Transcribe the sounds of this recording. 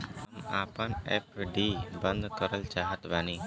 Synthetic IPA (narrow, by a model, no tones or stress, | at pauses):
ɐmaːpənep̚ʰɖibənd̪ʱkəɾəlt͡ʃaːɦət̪ʋani